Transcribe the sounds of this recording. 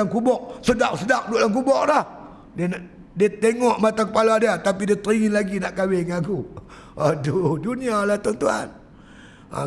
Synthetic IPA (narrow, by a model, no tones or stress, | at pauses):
aŋkubɔʔ̚sədak̚sədak̚doʔlaŋkubɔʔ̚lah | dn | diat̪eŋɔʔmat̪aŋkəpaladiat̪apidiat̪əɾiŋinlaɡinaʔkawɪŋaku | adudunialaht̪uaŋt̪uha̰n | a̰